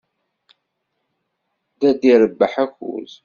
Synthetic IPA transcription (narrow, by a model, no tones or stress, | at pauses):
ðæd̪iɾəbːəħæçṵz